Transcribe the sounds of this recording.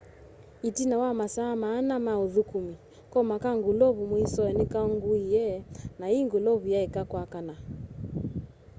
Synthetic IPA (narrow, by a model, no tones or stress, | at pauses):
itinawamasaːmaːnamauðukumi | kɔmakaŋɡulɔβumwisɔɛnikaɔŋɡuijɛnaiŋɡulɔβujaɛkakwakana